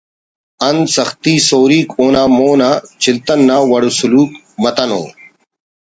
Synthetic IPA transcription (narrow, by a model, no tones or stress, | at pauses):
ɐnsɐxt̪iːsoːɾiːkoːnaːmoːnaːt͡ɕʰilt̪ɐnːaːwɐɽusuluːk | mɐt̪ɐno̰ː